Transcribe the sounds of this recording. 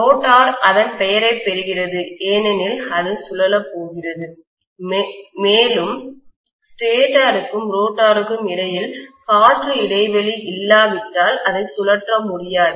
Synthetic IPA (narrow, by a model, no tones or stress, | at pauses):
oːʈːaːɾɐðɐnpɛjɐɾɐɪpːɛɾɯɣɪrɐðɯʔeːnɛnɪlɐðɯsʊlɐlɐpːoːɣɪrɐðɯ | eːlɯm | sʈeːʈaːɾɯkːɯmɾoːʈːaːɾɯkːɯmɪɽɐjɪlkaːʈrɯɪɽɐɪʋɛliʔɪlːaːʋɪʈːaːlɐðɐɪsʊlɐʈrɐmʊɽɪjaːɾ